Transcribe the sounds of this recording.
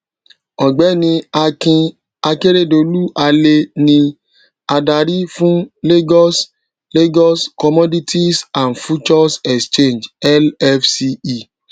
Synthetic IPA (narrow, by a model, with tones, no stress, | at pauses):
ɔ˨ɡ͡bɛ˨˦nĩ˧a˧kĩ˧ | a˧ke˦ɾe˦˨do˨lu˦ʔa˧le˧nĩ˧ | a˧da˧ɾi˦fũ˦le˦ɡɔ˦s | le˦ɡɔ˦skɔ˧mɔ˦di˦tʰi˦sã˨nfu˦t͡ʃɔ˦sɛ˨kst͡ʃe˦˨nd͡ʒɛ˦lɛ˦fsi˦i˦˨